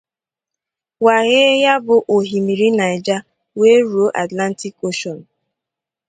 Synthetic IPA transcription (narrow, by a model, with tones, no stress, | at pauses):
wa˨ɣe˦ja˦bʊ˨ʔo˨ɦi˨mi˨ɾi˦na˨ɪ˨d͡ʒa˦ | we˦ɾu˨o˦ʔa˨tla˦n̩˦ti˦ko˦ʃɔ˨n̩˨